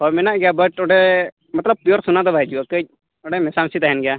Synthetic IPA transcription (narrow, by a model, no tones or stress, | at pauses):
hɔmɛnaʔɡɛjabəʈɔɖɛ | mɐt̪ləb̚pijɔɾsunad̪ɔbʱaɛd͡ʒuakəc̚ | ɔɖɛmɛsamsit̪aɦɛnɡɛja